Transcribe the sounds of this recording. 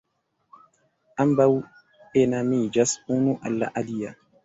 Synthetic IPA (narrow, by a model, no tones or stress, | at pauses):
ʔambaw | ɛnamid͡ʒasunuʔa̰lːa̰ʔalija